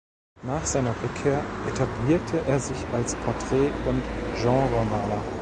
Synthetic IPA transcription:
naːχz̥aɪnɐʁʏkʰeːɐʔetʰabliːɐtʰəʔeːɐzɪçalspʰɔɐtʁ̥ɛːʊntʒ̥ɑ̃ʁəmaːlɐ

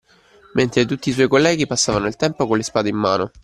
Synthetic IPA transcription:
mʔent̪ɾet̪ut̪ːiːswɔjkolːɛːɡipasːaːvanoilt̪ɛmpokonlespaːd̪eimːaːno

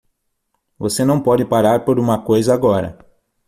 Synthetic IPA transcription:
vosenɐ̃w̃pɔd͡ʒɪpaɾaɾpoɾũmɐkojzɐaɡɔɾɐ̰

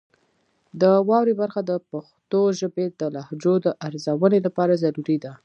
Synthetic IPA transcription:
d̪əwɑwɾebaɾxad̪əpaxt̪oʒəbed̪əlahd͡ʒod̪əʔaɾzawənelapɑɾazaɾuɾid̪a

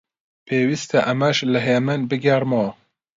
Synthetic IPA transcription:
pʰeːwist̪ʰɛʔɐmæʃlɨɦemɨnbɨɡɛɾmɔː

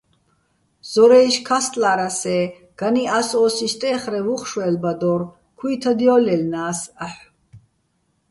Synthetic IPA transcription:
z̥ɔɾɛjʃkʰast̪ʼlaɾasɛ | ɡ̥aniasɔːsiʃt̪ʼɛːχɾɛvuχʃwɛlbad̪ɔːɾ | kʰwiːt̪ʰad̪iɔːlɛlnaːsaħ

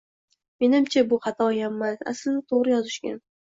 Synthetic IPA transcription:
me̞nɪmt͡ʃʰabʊχɑt̪ʰɒjamːasa̰sɪlnɪt̪ʰoʁɾɪjɒzɪʃkʲa̰n

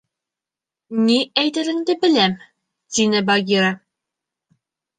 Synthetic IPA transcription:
niæjt̪ɘ̆ɾɘ̆ŋd̪ɘbɘ̆læm | t̪inɘbɑɡʲiɾa

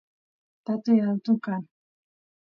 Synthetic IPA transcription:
t̪at̪ueɾalt̪ukan

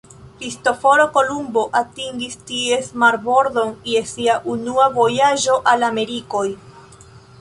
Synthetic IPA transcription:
kɾisto̞fo̞ɾoko̞lumbo̞ʔatiŋɡistie̞smaɾbo̞ɾdo̞nje̞siaʔunuavo̞jaʒo̞ʔalame̞ɾiko̞j

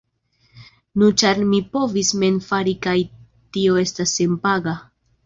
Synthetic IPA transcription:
nut͡ʃaɾmipo̞visme̞nfaɾikaj | tio̞e̞stasːe̞mpaɡa

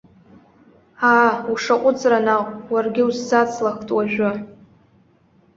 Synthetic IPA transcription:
aːuʂaqʷʼʊt͡sʼranaqʷʼwarɡʲɪwuzːat͡sʰlaχtʼwaʒᶣʷa

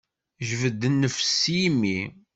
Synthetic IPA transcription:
ʒvəd̪ːənːəfsijmːi

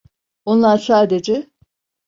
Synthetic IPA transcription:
o̞nlˠaɾsaːd̪ed͡ʒɛ

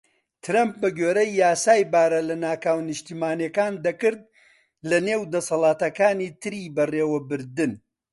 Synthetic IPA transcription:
t̪ʰɨɾɐmp̚bɐɡeːɾɐjːaːsaːjbaːɾɐlɐnaːkaːwnɨʃt̪iːmaːnjekaːnd̪ɐkɨɾd̪̚ | lɐneːwd̪ɐsɐlˠaːt̪ɐkaːniːt̪ʰɨɾiːbɐreːwɐbɨɾd̪ɨn

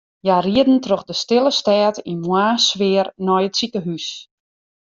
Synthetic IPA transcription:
jariədn̩trɔxdəstɪlˠəstɛːtinmwaːsʋɪərnɔjətsikəɦys

